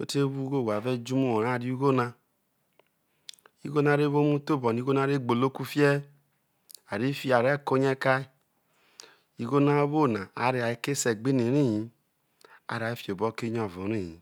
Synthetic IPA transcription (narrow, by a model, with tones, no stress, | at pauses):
o̰˦te˦βu˦ɡo˦˨a˨vɛ˦d͡ʒu˦mu˦wɔ˨ɾa˦˨ɾi˦u˦ɡo˦na˧ | i˦ɣo˦na˨˦ɾe˦βo˦mu˦to˦˨bɔ˨n˨i˧˦ɡo˦na˦ɾe˦˨ɡ͡bo˨lo˦ku˦fi˦ɛ˦ | a˨ɾi˦fi˦a˨ɾɛ˦˨ko˦ɲɛ˦ka˦i˦ | i˧ɡo˦na˦βo˦˨na˨a˨˦ɾe˧˦a˨i˦ke˦sɛ˨ɡ͡bi˦ne˨ɾi˦˨ji˨˦ | a̰˨ɾa˨i˦fi˦˨o˨bɔ˨˦ke˦ɲ˦ɔ˨vu˨ɾi˦˨jḭ˨